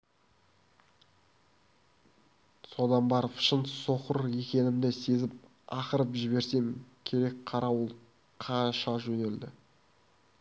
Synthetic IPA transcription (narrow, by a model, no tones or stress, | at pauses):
so̞d̪ɑnbɑɾəfʃənt̪so̞qəɾe̞kʲe̞nɪmd̪ɪse̞zɪp̚ | ɑqəɾəpʒɪβe̞ɾse̞ŋkʲʰe̞ɾe̞kqʰɑɾɑwəlˠ | qʰɑnʃɑʒɵne̞ld̪ɪ